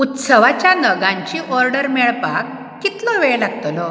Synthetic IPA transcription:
ut̪səʋat͡ɕjanəɡãɲt͡ɕiːʔɔɾɖəɾmɛɭpakː | it̪lɔʋeɭlaɡt̪ɔlɔ

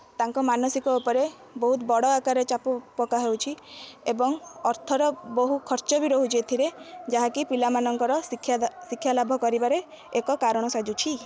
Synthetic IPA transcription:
t̪aŋkɔmanɔsikɔupɔɾe | bɔɦut̪bɔɽɔakaɾet͡ʃapupɔkaɦewt͡ʃʰiebɔŋɔɾt̪ʰɔɾɔboɦukʰɔɾt͡ʃɔbiɾoɦud͡ʒet̪ʰiɾed͡ʒaɦakipilamanɔŋkɔɾɔikʰjasikʰːjalabʱɔkɔɾibaɾe | ekɔkaɾɔɽ̃ɔsad͡ʒut͡ʃʰi

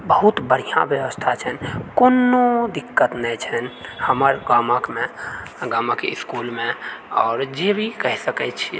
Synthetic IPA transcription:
bəɦut̪bəɽ̤ijã̰bjəʋəst̪ʰat͡ʃʰɛnkonːod̪ikːət̪nɛt͡ʃʰɛnhəməɾɡaməkmẽ | ɡaməkeiskulmẽɔːɾd͡ʒebʱikəɦsəkɛt͡ʃʰi

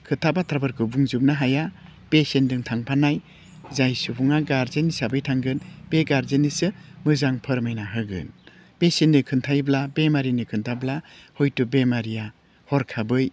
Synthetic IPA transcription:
kʰɯtʰabatʰɾabɯɾkʰɯbuŋzɯp̚naɦaja | b̥esendɯŋtʰaŋpʰanaj | zajsubuŋaɡaɾzenisabɯjtʰaŋɡɯnb̥eɡaɾzenisɯmɯzaŋpʰɯɾmajnaɦɯɡɯ̰n | b̥esenːɯkʰɯntʰajblabemaɾinikʰɯntʰablahɔjtubemaɾija | hɔɾkʰabɯj

